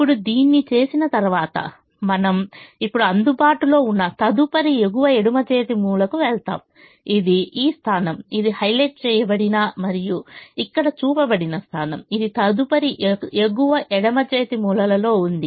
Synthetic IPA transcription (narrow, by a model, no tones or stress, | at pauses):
ipːuɽud̪iːnːit͡ʃe̞ːsinɐt̪ɐɾʋaːt̪ɐ̰ | mɐnɐmipːuɽuɐnd̪ubaːʈulo̞ːunːɐt̪ɐd̪upɐɾieɡuʋɐeɽumɐt͡ʃeːt̪imuːlɐkuʋɛɭt̪a̰ːm | id̪iiːst̪ʰaːnɐmid̪ihɐjleːʈ̚t͡ʃɛːjɐbɐɽinɐmɐɾijuikːɐɽɐt͡ʃuːpɐbɐɽinɐst̪ʰaːnɐmid̪it̪ɐd̪upɐɾiʔeɡuʋɐʔɛɽɐmɐd͡ʒeːt̪imuːlɐlɐlo̞ːund̪i